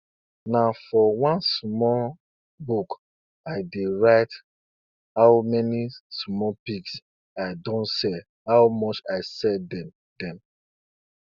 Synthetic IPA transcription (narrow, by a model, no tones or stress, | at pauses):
nafɔwãnsmɔ | buk | aɪdeɹaɪt | haʊmɛnismɔpiks | aɪdõntsɛ | hawmɔt͡ʃaɪsɛdɛ | d̥ɛ̃m